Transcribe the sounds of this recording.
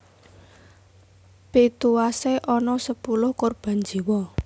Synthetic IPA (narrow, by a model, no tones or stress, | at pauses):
pet̪uwaseʔɔnɔsəpulʊhkorb̥a̤nd͡ʒi̤wɔ